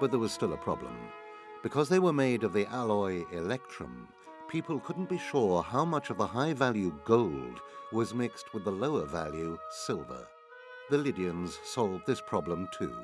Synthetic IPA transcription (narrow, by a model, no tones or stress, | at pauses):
b̥ʌt̪̚ðə˞wʌz̥stɪlˠəpʰɹ̥ɑ̰blə̰̃m | b̥ɨkʰʌzðeɪwə˞meɪɾʌvðiʔælˠɔɪɪlɛk̚tʰɹ̥ɨ̰̃m | pʰipʰl̩ˠkʰʊdⁿn̩b̥iʃʊɹhaʊmʌt͡ʃʌvðəhaɪvælˠjʉɡoʊlˠdwʌzmɪkst̚wəðəloʊə˞væ̰lˠjʉsɪlˠvə̰˞ | ðɨlɪɾiɨ̃nz̥sɑlˠvðɪspʰɹ̥ɑblə̃mtʰʉ̰